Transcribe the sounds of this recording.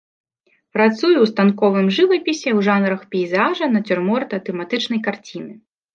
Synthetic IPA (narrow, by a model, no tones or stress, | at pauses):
pɾat̪sujuwst̪ankɔvɨmʐɨvɐpʲisʲɛwʐanɾɐxpʲɛjzaʐɐnɐt͡sʲurmɔrt̪ɐt̪ɛmat̪ɨt͡ʂnɐjkart͡sʲinɨ